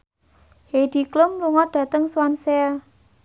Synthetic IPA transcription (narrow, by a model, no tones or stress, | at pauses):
hed̥i̤klʊmluŋɔd̪̥ä̤t̪əŋsuwansɛ